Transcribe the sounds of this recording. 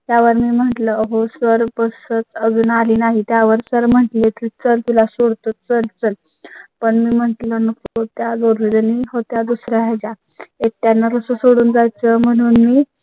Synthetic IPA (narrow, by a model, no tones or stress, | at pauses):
t̪jaʋəɾmiːm̤əʈləɦosəɾbəsət͡səd͡zunaliːnaɦit̪jaʋəɾsəɾm̤əʈliek̪ʰiːt͡səlt̪ulasoɽt̪ot͡səlt͡səl | pəɳmiːm̤əʈlənəkkot̪jad͡zoɾlidəniɦot̪jad̪usɾaɦad͡ʑa | ek̚t̪janːaɾəsəsoɽuːnd͡zajt͡səm̤əɽ̃uːnmiː